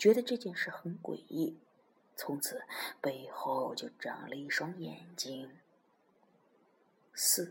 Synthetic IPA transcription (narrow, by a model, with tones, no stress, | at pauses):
t͡ɕɥɛ˧˥d̪ə˧ʈ͡ʂɤ˥˧t͡ɕjɛ˥˧nʂɻ̩˥˩xə˧˥nkwḛ˨˩ɪi˥˩ | t͡sʰʊ˧˥ŋt͡sʰɹ̩˨˩˦pe˥˧ɪxo˥˩ʊt͡ɕjo˥˩ʊʈ͡ʂɑ̰˨˩ŋlə˧i˥˩ʂʊ˥ŋjɛ˨˩nt͡ɕi˥ŋ | sɹ̩˥˩